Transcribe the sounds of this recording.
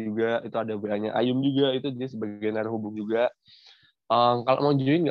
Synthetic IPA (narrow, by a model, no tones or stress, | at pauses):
d͡ʒuɡait̪uadabeaɲa̰ʔa̰jʊmd͡ʒuɡait̪ud͡ʒidisəbaɡɡajnaɾaɦubʊŋd͡ʒuɡa | ʔəmkalo̰ʔmad͡ʒoɪnɡa